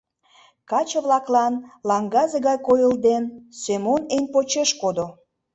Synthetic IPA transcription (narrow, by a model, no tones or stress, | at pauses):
kɑt͡ɕəβlɑklɑnlɑŋɡɑzeɣɑjkojəld̪ensømonenʲpot͡ɕeʃkod̪o